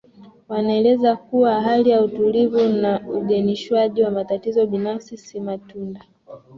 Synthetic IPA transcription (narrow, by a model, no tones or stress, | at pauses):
wanaɛlɛzakuwaɦalijautulivunauɡɛniʃwaʄiwamatatizɔɓinafsisimatunda